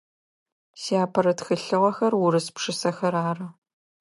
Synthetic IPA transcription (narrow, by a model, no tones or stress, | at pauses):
siaːpʰɐɾɐtxɨɬɨʁɐxɐrwʊɾɨspʂɨsɐxɐɾaːrɐ